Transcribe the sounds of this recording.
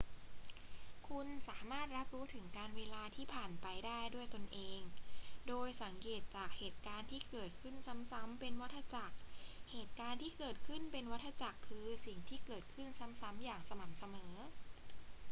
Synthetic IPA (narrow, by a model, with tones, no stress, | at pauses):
kʰu˧nsaː˩˦maː˥˩t̪̚ɾa˦˥p̚ɾuː˦˥t̪ʰɯ˩˦ŋkaː˧nweː˧laː˧t̪ʰiː˥˩pʰaː˨˩npa˧jdaː˥˩jdu˥˩əjt̪o˧nʔeː˧ŋdoː˧jsa˩˦ŋkeː˨˩t̪̚t͡ɕaː˨˩k̚heː˨˩t̪̚kaː˧nt̪ʰiː˥˩kɤː˨˩t̪̚kʰɯ˥˩nsa˦˥msa˦˥mpe˧nwa˦˥t̪ʰːa˧t͡ɕa˨˩k̚heː˨˩t̪̚kaː˧nt̪ʰiː˥˩kɤː˨˩t̪̚kʰɯ˥˩npe˧nwa˦˥t̪ʰːa˧t͡ɕa˨˩kʰːɯː˧si˨˩ŋt̪ʰiː˥˩kɤː˨˩t̪̚kʰɯ˥˩nsa˦˥msa˦˥mjaː˨˩ŋsa˧ma˨˩˦msa˧mɤː˩˦